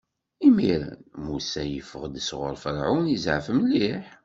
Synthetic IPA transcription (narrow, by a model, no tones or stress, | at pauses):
imiɾə̰nmusæjəfəʁd̪əsʁʊ̰ɾˤfəɾʕunəzʕfəmliħ